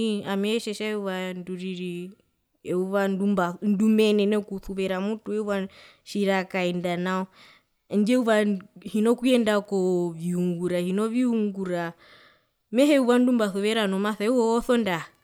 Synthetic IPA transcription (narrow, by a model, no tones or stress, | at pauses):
iamɛɛʃɛʃauβanduɾiɾi | ɛuβandumbandumɛnɛnɛkuθuβɛɾamutuɛuβa | ʃiɾakaɛndanaɔ | nd͡ʒɛuβahinɔkuɛndakɔβiuŋɡuɾahinɔβiuŋɡuɾa | mɛɦɛuβandumbaθuβɛɾanɔmaθɛuɔːθɔnda